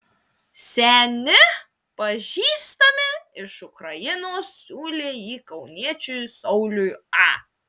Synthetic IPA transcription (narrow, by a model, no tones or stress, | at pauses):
sʲɛnʲɪ | pɐʒʲiːst̪ɐmʲɪɪʃʊkɾɐjɪnoːssʲuːlʲeːjiːkɐʊnʲiɛt͡ʃʲʊjsɔʊlʲʊjɑ